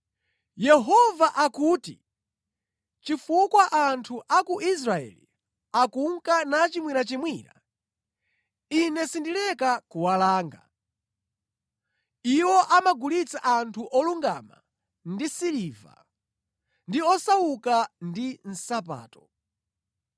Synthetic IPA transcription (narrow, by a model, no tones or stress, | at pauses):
jɛɦɔvaʔakuːti | t͡ʃifukwaʔantʰuʔakuʔis̬ɾaɛ̰lḭ | akuŋkanat͡ʃimwiɾat͡ʃimwina̰ | inɛsindilɛkakuwalaːŋɡa̰ | iwɔʔamaɡulit͡saʔantʰuʔɔluŋɡa̰ma̰ | ndisiliva̰ | ndiɔsaukandin̩sap̬a̰ːtɔ